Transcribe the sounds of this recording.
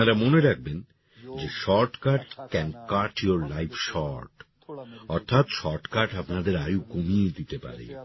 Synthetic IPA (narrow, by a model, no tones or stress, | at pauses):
apnaɾamoneɾak̚ʰben | d͡ʑeʃɔɾʈkaɾʈkɛnkaɾʈjoɾlajfʰʃɔɾʈ | ɔɾt̪ʰat̪ʃɔɾʈkaɾʈapnad̪eɾajukomied̪it̪epa̰ɾḛ